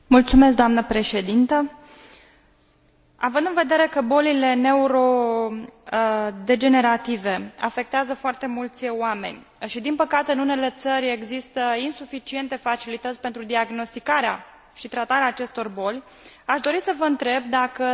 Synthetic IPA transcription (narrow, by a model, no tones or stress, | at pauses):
mult̪sumes̬d̪oamnəpɾe̞ʃe̞d̪int̪ə | avɨnd̪ɨnve̞d̪e̞ɾe̞kəbo̞lile̞ne̞uɾo̞ | d̪e̞d͡ʒe̞ne̞ɾat̪ive̞a̰fe̞k̚t̪eazəfoart̪e̞mult̪sʲoame̞̰nʲ | ʃid̪inpəkat̪e̞ɨnunele̞t̪səɾʲe̞ɡzist̪əinsufit͡ʃie̞nt̪e̞fat͡ʃilit̪ət̪sʲpe̞nt̪ɾud̪iaɡno̞st̪ikaɾea | ʃit̪ɾat̪aɾeaːt͡ʃe̞st̪o̞rbo̞lʲ | aʃd̪o̞ɾisəvəɨnt̪ɾe̞bd̪akə